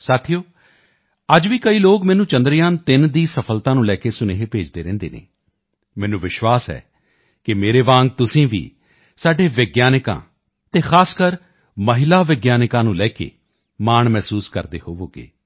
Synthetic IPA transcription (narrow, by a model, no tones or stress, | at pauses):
saːt̪ʰijoː | əd͡ʒʋiːkəiːloːɡmɛːnũːt͡ʃə̃nd̪ɾɪjãːnt̪ɪnd̪iːsəpʰəlt̪ãːnũːlɛːkeːsʊneːɦeːpeːd͡ʒd̪eːɾɛ̃ːnd̪ḛːnḛː | mɛ̃ːnũːʋɪʃʋaːsɛ̰ː | kɪmeːɾeːʋãːŋɡ̚t̪ʊsĩːʋḭː | saːɖeːʋɪɡjaːnɪkã̰ː | t̪eːxʰaːskəɾ | məɦɪlaːʋɪɡjaːnɪkãːnũːlɛːkḛː | maːɳmɛːsuːskə̰ɾd̪ḛːhoːʋoːɡḛː